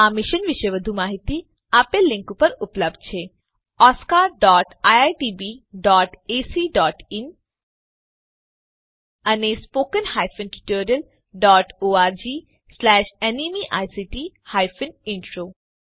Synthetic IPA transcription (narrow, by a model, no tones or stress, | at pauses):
aːmiʃənʋɪʃəjʋəd̪ʱumaːɦit̪i | aːpelɪ̃ŋkupɐɾʊpləb̚d̪̚t͡ɕʰe | ɔːskaːɾɖɔːʈajaːjʈibiɖɔːʈeːsiɖɔːʈin | ɐnespoːkənhaːjfənʈi̥ʈoːɾijəl | ɖɔːʈoːaːɾd͡ʑiː | slɛːʃenimiʔaːjsiʈi | haːjfʰənɪɳʈɾoː